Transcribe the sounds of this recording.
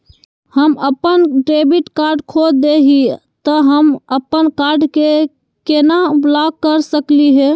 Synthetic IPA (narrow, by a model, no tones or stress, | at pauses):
həməpənɖɾebiʈkaɾɖkʰod͡ʒd̪eɦi | t̪əɦəməpːənkaɾɖke | kenablakːəɾsəkliɦɛ